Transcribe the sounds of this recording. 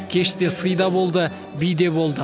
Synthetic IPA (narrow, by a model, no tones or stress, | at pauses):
kʲʰe̞ʃt̪e̞sɨjd̪ɑbo̞lˠd̪ə | bijd̪e̞bo̞lˠd̪ə